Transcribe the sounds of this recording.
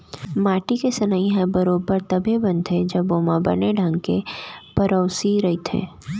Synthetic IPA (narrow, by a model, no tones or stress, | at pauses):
maːʈikesɐnaiɦɛ̃bɐɾoːbəɾt̪ɐbʱebɐ̃nd̪ʰed͡ʒɐboːmabɐ̰neɖʱɐ̃ŋɡkepɐɾəʊsiɾɐɦit̪ʰḛ̃ː